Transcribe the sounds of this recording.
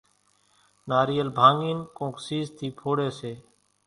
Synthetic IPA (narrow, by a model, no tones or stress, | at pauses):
naːɾiːəlbʱãːŋɡiːnkõːksiːzt̪ʰiːpʰoːɽeːseː